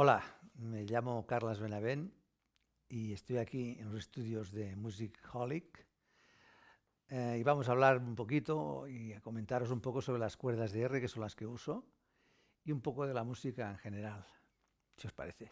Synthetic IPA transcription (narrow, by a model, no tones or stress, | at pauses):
olameʎamokaɾlazβenaβ̞en | iest̪ojakienlosest̪uðjozðemusikxɔlik | iβamos̬aːβ̞laɾumpokit̪oiako̞ment̪aɾo̞s̬umpokoso̞β̞ɾelaskweɾð̞azðeerekesonlaskeuso | iumpokoð̞e̞lamusikaeŋxeneɾal | siospa̰ɾeθe